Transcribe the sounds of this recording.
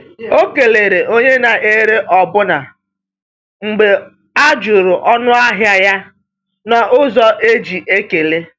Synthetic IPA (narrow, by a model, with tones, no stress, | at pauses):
o˦ke˨le˨ɾe˨ʔo˦ɲe˦na˨ʔe˦ɾe˦ʔɔ˨bʊ˦na˨ | ŋ͡m̩˨ɡ͡be˨ | a˦d͡ʒʊ˨ɾʊ˨ʔɔ˦nʊ˦a˦ɦja˦ja˦ | nɔ˨ʔʊ˦zɔ˦ʔe˦d͡ʒi˨ʔe˦ke˨le˦